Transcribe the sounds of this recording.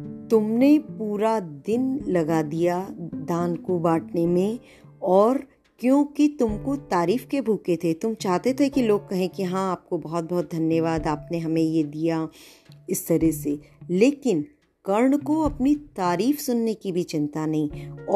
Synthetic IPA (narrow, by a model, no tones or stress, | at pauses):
t̪ʊmnepuːɾad̪ɪnlɐɡad̪ijad̪ãːnkobaːʈʰnemẽ | ɔːɾ | kjõːkit̪ʊmkot̪aːɾiːfkebʱuːket̪ʰet̪ʊmt͡ʃaːɦt̪et̪ʰekiloːɡ̚kɐɦẽkiɦãaːp̚kobɐɦɔt̪̚bɔɦːt̪̚d̪ʱɐnjəʋaːd̪aːpneɦɐmẽjed̪ija | ɪst̪ɐɾɛseleːkɪn | kɐɾɳkoɐpnit̪aːɾiːfsʊnːekibʱit͡ʃɪ̃nt̪anɐɦĩːɔː